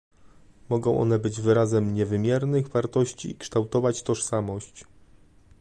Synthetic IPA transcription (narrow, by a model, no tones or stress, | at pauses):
mɔɡɔ̃w̃ʔɔ̰nɛbɘd͡ʑvɘɾazɛmɲɛvɘmʲjɛɾnɘɣvaɾt̪ɔɕt͡ɕḭːkʂt̪awt̪ɔvat͡ɕt̪ɔʂsamɔɕt͡ɕ